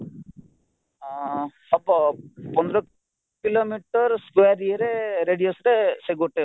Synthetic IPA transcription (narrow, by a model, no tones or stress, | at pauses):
ɐpːapɔnd̪ɐɾɐ | kiloːmiʈːɐɾskʋeːɾieɾeɾeɖijosɾeseɡoʈːe